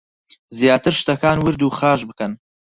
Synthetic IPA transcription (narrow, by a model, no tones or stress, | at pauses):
zjaːt̪ʰɨɾʃt̪ɐkaːnwɨɾd̪uːχaːʃbɨkɐn